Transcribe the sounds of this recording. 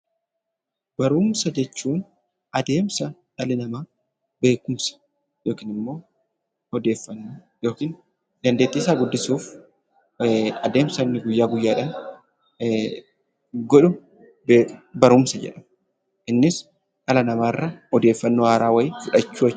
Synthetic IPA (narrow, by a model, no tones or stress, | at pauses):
bɐɾuːmsɐd͡ʒɛt͡ʃːuːn | ʔɐd̪e̞ːmsɐᶑɐlɪnɐmaː | be̞ːkʊmsɐ̥ | jo̞ːkiːnɪmːo̞ː | hɔd̪e̞ːfːɐnːo | jo̞ːkiːn | d̪ɐnd̪e̞ːt̪ːiːsaːɡʊd̪ːɪsuːf | ɐd̪e̞ːmsɐnːɪɡʊjːaːɡʊjːaːᶑɐn | ɡɔᶑʊ | beːbɐɾuːmsɐd͡ʒɛ̰ᶑɐm | ʔɪnːɪs | ʔɐlɐnɐmaːrːɐhɔd̪e̞ːfːɐnːoːhaːɾaːwɐjɪfʊᶑɐt͡ʃːuː